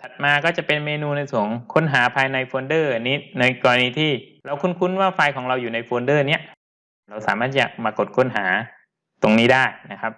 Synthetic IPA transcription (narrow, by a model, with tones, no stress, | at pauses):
t̪ʰa˨˩t̪̚maː˧kɔː˥˩t͡ɕa˨˩pe˧nmeː˧nuː˧na˧jsʰuː˩˦ŋkʰo˧˥nɦaː˩˦pʰaː˧jna˧jfoː˧ndɤː˥˩a˧niː˦˥na˧jkɔː˧ɾa˧niː˧t̪ʰiː˥˩ɾa˧wkʰu˥˩nkʰu˦˥˩nwaː˥˩faː˧jkʰɔː˩˦ŋɾa˧wjuː˨˩na˧jfoː˧ndɤː˥˩ni˦˥ɐʔ | ɾa˧wsaː˨˦maː˥˩t̪ʰiː˥˩t͡ɕa̰˨˩k̚maː˧ko˨˩t̪̚kʰo˧˥˩nɦaː˩˦ | t̪o˧ŋniː˦˥daː˥˩jna˦˥kʰa˦˥p̚